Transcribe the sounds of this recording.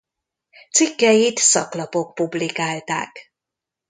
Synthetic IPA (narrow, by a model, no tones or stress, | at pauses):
t̪sikːɛjit̪sɒ̰klɒpo̞k̚publikaːlt̪a̰ːk